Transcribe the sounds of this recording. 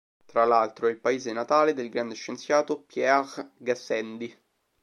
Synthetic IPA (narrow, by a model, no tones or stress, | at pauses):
t̪ɾalalt̪ɾoilpaeːzenat̪aːled̪elɡɾand̪eʃːent̪sjaːt̪opjɛʁɡasɛnd̪i